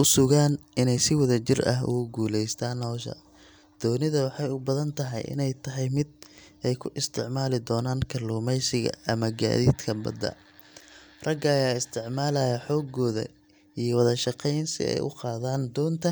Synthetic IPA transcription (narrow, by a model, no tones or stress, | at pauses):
ʊsʊɣaːnʔɪnɛjsɪwɐðɐt͡ʃɪrɐ̰ɦʊ̰ɣʊɡuːlɛjst̪ʰaːnhɔːʃɐ̰ | d̪̥ɔːnɪðɐwɑħɑjʊbɐðɐnt̪ʰɐɦɐ̰jʔɪ̰nɛjt̪ʰɐɦɛjmɪd̪̚ | ɛjkʰʊʔɪst̪ʰɪʕmaːlɪd̪ɔːnaːŋkʰɐluːmɛjsɪɣɐ̰ɐmɐɡa̰ːðḭːd̪kʰɐbɐ̰d̪ɐ̰ | rɐɡɐːjaːɪst̪ʰɪʕmaːlɐjɐħɔːɡɔːðɐ̰ | ijɞwɐðɐʃɑqɛjnsɪ̰ɛ̰jʔʊ̰qɑːðaːnd̪ɔːnt̪ʰɐ